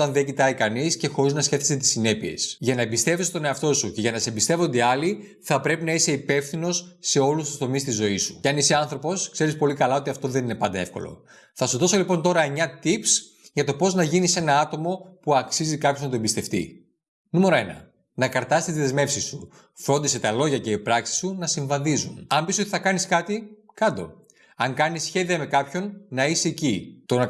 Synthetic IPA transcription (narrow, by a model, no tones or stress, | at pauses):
t̪ɐnðeɟit̪ɐikɐnisce̞xo̞ɾiznɐsçe̞θi̥set̪i̥sine̞pie̞̰sʝɐnɐebist̪e̞vist̪o̞ne̞ɐft̪o̞suce̞ʝɐnɐsebist̪evo̞nd̪eɐli | θɐpɾe̞pinɐise̞ipe̞fθino̞sːe̞olust̪u̥st̪o̞mist̪izo̞isu̥ɐniseɐnθɾo̞po̞skse̞ɾispo̞likɐlɐo̞t̪iɐft̪o̞ðe̞nine̞pɐnd̪ɐe̞fko̞̰lo̰ | θɐsuðo̞so̞lipo̞nt̪o̞ɾɐeɲɐt̪ips | ʝɐt̪o̞po̞znɐʝinise̞nɐɐt̪o̞mo̞puɐksizikɐpçoznɐt̪oembist̪e̞ft̪ḭ | nume̞ɾo̞e̞nɐ̰ | nɐkɐɾt̪ɐst̪iziðezme̞fsisu | fɾo̞nd̪ise̞t̪ɐlo̞ʝɐce̞ipɾɐksi̥sunɐsiɱvɐðizunɐmbiso̞t̪iθɐkɐniskɐt̪i | kɐnd̪o̞̰ | ɐŋkɐnisçe̞ðiɐme̞kɐpço̞nːɐiseːcit̪o̞nɐ